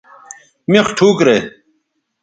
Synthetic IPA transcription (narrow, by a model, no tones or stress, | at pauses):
mexʈʰuːkɾeː